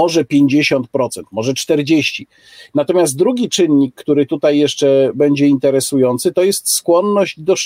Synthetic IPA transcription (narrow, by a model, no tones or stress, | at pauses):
ɔʐɛpʲjeɲd͡ʑeɕɔnt̪̚pɾɔt̪sɛnt̪mɔʐɛt͡ʂt̪ɛɾd͡ʑeɕt͡ɕi | nat̪ɔmʲjazt̪̚d̪ɾuɡʲit͡ʂɘnːikːt̪uɾɘt̪ut̪ajːɛʂt͡ʂɛbɛɲd͡ʑɛint̪ɛɾɛsujɔnt̪sɘt̪ɔjɛst̪skwɔnːɔʑd͡ʑd̪ɔʂ